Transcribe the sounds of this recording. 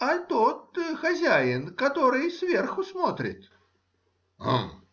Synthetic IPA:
ɐt̪ot̪xɐzʲæjɪnkɐt̪oɾɨjsvʲerxʊsmo̞t̪ɾʲɪ̰t̪ | a̰m

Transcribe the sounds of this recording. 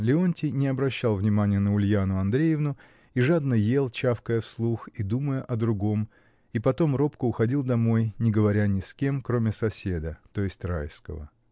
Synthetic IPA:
lʲɪo̞nʲtʲɪnʲɪɐbɾɐɕːalˠvnʲɪmanʲɪjənəʊlʲjanʊɐnd̪ɾʲejɪvnʊ | iʐad̪nəje̞lˠt͡ɕafkəjəfslˠuxid̪uməjəʔɐd̪ɾʊɡo̞m | ipɐt̪o̞mro̞pkʊʊxɐdʲilˠd̪ɐmo̞jnʲɪɡəvɐɾʲanʲɪskʲe̞mkɾo̞mʲɪsɐsʲed̪ət̪o̞jɪsʲtʲrajskə̰və̰

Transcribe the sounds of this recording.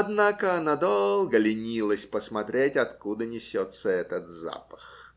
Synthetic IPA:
ɐd̪nakənɐd̪olˠɡəlʲɪnʲilˠəsʲpəsmɐt̪ɾʲetʲɐt̪kud̪ənʲɪsʲot̪səɛt̪ət̪za̰pə̥x

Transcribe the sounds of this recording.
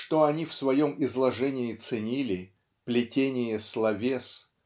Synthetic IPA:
ʂt̪o̞ɐnʲifsvɐjomɪzlˠɐʐɛnʲɪɪt̪sɨnʲilʲɪ | plʲɪtʲenʲɪjəslˠɐvʲes

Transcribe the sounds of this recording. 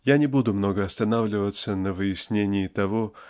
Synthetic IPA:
janʲɪbud̪ʊmno̞ɡəɐst̪ɐnavlʲɪvət̪sənəvɨjɪsʲnʲenʲɪjɪt̪ɐvo̞

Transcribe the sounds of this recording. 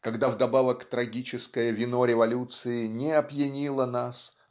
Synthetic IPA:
kɐɡd̪avd̪ɐbavəkt̪ɾɐɡʲit͡ɕɪskəjəvʲɪno̞ɾʲɪvɐlʲut̪sɨɪnʲɪɐpjɪnʲilˠənas

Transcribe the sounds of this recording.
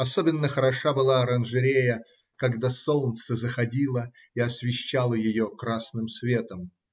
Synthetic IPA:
ɐsobʲɪnːəxəɾɐʂabɨlˠaɐɾənʐɨɾʲejə | kɐɡd̪asolˠnt̪səzəxɐdʲilˠə | iɐsvʲɪɕːalˠəjɪjokɾasnɨmsvʲe̞t̪əm

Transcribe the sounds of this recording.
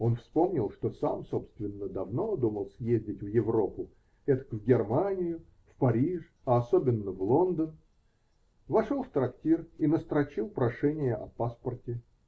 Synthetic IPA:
o̞nfspo̞mnʲɪlˠʂt̪o̞sa̰mso̞pst̪vʲɪnːəd̪ɐvno̞d̪uməlˠsʲjezʲdʲɪtʲvjɪvɾo̞pʊ | ɛt̪ə̥kvɡʲɪrmanʲɪjʊ | fpɐɾʲiʂ | ɐɐso̞bʲɪnːəvlˠo̞nd̪ən | vɐʂolˠft̪ɾɐktʲirinəst̪ɾɐt͡ɕilˠpɾɐʂɛnʲɪjəʔɐ̰paspərtʲɪ

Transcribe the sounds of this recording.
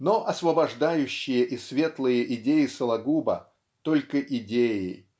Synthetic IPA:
noʔɐsvəbɐʐd̪ajʉɕːɪjəʔɪsvʲe̞t̪lˠɨjəʔɪdʲejɪsəlˠɐɡubə̰ | t̪o̞lʲkəʔɪdʲejɪ

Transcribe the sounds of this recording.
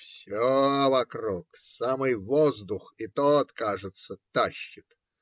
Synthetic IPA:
fsʲovɐkɾuksamɨjvozd̪ʊxɪt̪ot̪kaʐɨt̪sət̪aɕːɪt̪

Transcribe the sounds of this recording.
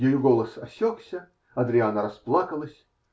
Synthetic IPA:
jejʊɡo̞lˠəsɐsʲoksʲə | ɐd̪ɾʲɪanəɾɐsplˠakəlˠəsʲ

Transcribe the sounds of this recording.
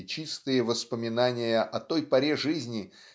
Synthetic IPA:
t͡ɕist̪ɨjəvəspəmʲɪnanʲɪjəʔɐt̪o̞jpɐɾʲeʐɨzʲnʲɪ

